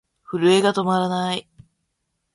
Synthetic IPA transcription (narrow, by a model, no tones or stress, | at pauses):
ɸɯ̟ɾɯ̟e̞ɡat̪o̞maɾanai